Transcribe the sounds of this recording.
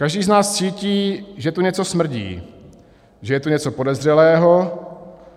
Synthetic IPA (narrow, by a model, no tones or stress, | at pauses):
kaʒdiːznaːst͡siːciːʒɛt̪uɲɛt͡so̞smr̩ɟḭː | ʒɛjɛt̪uɲɛt͡so̞po̞dɛzr̝ɛlɛːɦo̞